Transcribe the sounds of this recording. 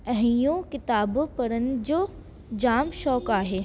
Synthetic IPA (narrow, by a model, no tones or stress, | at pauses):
ɐɦjõːkɪt̪aːbpɐɾənd͡ʒoː | d͡ʒaːmʃɔːkaːɦeː